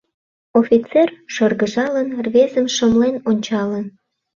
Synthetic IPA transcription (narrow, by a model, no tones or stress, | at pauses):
ofʲit͡serʃərɣəʒɑlənrvezəmʃəmlenonʲt͡ɕɑlən